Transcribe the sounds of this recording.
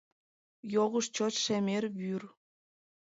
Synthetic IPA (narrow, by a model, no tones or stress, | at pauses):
joɣəʃt͡ɕot̪ʃemerβyr